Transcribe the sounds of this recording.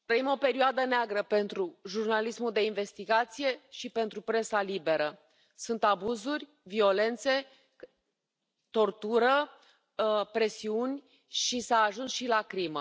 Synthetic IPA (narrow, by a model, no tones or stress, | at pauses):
t̪ɾəimo̞pe̞ɾioad̪əneaɡɾəpe̞nt̪ɾuʒurnalismuld̪e̞inve̞st̪iɡat̪sije̞ʃipe̞nt̪ɾupɾe̞salibe̞ɾə | sunt̪abuzurʲ | vio̞le̞nt̪se̞ | t̪o̞rt̪uɾə | pɾe̞siunʲ | ʃisəːʒunsʃilakɾimə